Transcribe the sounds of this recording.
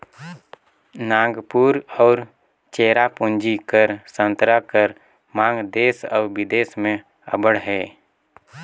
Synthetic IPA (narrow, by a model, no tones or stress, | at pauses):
nãːɡpuːɾɔːɾ | t͡ʃeːɾapʊ̃nd͡ʒikəɾsə̃nt̪ɾakəɾ | mãːŋɡd̪eːsɔːɾʋɪd̪eːsmẽ | ə̰bəɽɦɛː